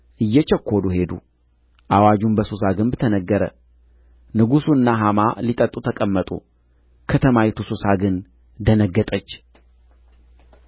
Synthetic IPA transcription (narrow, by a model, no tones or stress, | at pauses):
ʔɨjːɛt͡ʃɛkʰʷːoluɦe̞d̪ṵ | ʔawad͡ʒumbəsusaɡɨmbt̪ʰənəɡːəɾə̰ | nɨɡusuɨnːaɦama̰lit̪ʼət̪ʼːut̪ʰəkʼəmːət̪ʼṵ | kʰət̪ʰəmajɪt̪ʰususaɡɨn | d̪ənəɡːət̪ʼət͡ʃː